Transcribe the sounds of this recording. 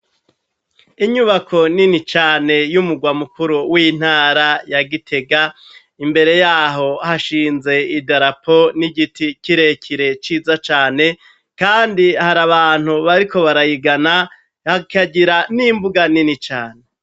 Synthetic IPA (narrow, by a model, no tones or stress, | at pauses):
iɲuβakʰo̞ninit͡ʃaːne̞jumuɡwamukuɾuwin̥haːɾajaɡitʰe̞ɡa | imbe̞ɾe̞jaːɦo̞haʃiːnze̞idaɾapʰo̞niɡiticiɾe̞kʰiɾe̞t͡ʃiːzat͡ʃaːne̞ | kaːndihaɾaβaːn̥huβaɾiko̞βaɾajiɡana | hakʰaɟiɾanimbuɡaninit͡ʃaːne